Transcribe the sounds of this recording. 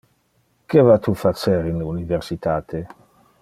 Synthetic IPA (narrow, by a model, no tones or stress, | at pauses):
kevat̪ufat͡seɾinuniveɾsit̪aːt̪ʰe